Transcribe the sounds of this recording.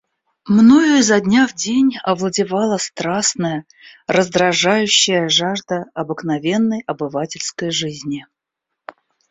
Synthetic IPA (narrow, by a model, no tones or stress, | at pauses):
mnojʊzɐdʲnʲavdʲenʲɐvlˠədʲɪvɑlˠəst̪ɾasnəjə | rəzd̪ɾɐʐajʉɕːɪjəʐaʐd̪əɐbɨknɐvʲe̞nːəjɐbɨvatʲɪlʲskəjʐɨzʲnʲɪ